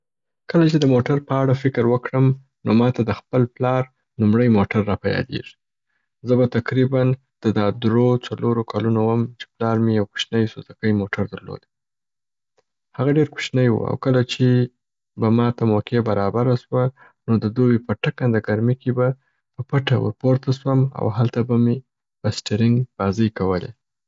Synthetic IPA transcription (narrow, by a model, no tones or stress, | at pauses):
kəlat͡ʃed̪əmoʈaɾpəaɽafɪkɾwəkɽəm | nomɑt̪ad̪əxpəlplɑɾ | numɽəjmoʈaɾːɑpajɑ̰d̪ḛʐi̥ | zəbat̪aqɾiban | d̪̥əd̪ɑd̪ɾot͡saloɾokʰalunowəmt͡ʃe̥plɑɾmejawku̥ʃnəjsozakəjmoʈʰaɾd̪əɾlo̰d̪e | haɣaɖeɾku̥ʃnəjwṵa̰wkəlat͡ʃe | bamɑt̪amokebaɾɑbaɾaswa | nod̪əd̪owepəʈakand̪əɡaɾmikeba | pəpaʈawə̰ɾpoɾt̪aswəma̰wɦalt̪abame | pəsʈeɾɪŋɡbɑzəjkawəlḛ